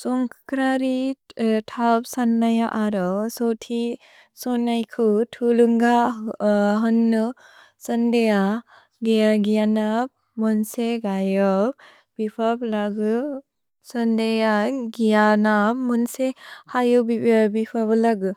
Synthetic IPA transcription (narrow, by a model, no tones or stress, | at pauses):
sɔŋkʰkʰɾaɾitʰapsanːajaʔaɾɔwsɔwtʰi | sɔnajkʰɯtʰuluŋɡa | ɦɯnːɯ | sɐndeja | ɡejaɡijanap̚ | mɔnseɡajɔ | b̥ipʰablaɡɯ | sɐndejaɡijanapmɔnsehajɯbibipʰablaɡɯ